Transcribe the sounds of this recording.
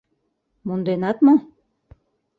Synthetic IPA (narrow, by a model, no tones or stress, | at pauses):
mund̪enɑt̪mo